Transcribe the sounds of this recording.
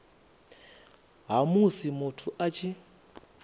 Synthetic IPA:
ɦamusimutʰuʔat͡ʃʰi

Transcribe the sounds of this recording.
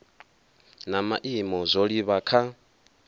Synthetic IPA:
namaʔimɔzʷoɺiβakʰa

